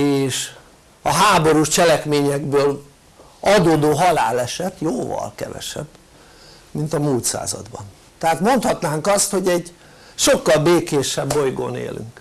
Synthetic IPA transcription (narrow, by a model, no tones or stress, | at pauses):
eːʃ | ɒɦaːbo̞ɾuʃt͡ʃɛlɛkmeːɲɛɡbøːl | ɒd̪oːd̪oːɦɒla̰ːlɛʃɛt̪joːvɒ̰lkɛ̰vɛ̰ʃɛ̰b | mint̪ɒmuːlt̪sa̰ːzɒ̰d̪bɒn | t̪ɛɦaːt̪mo̞nt̪hɒt̪naːŋkɒst̪ho̞ɟɛɟ | ʃo̞kːɒlbeːkeːʃɛbːo̞jɡo̰ːnḛːlʔy̰ŋk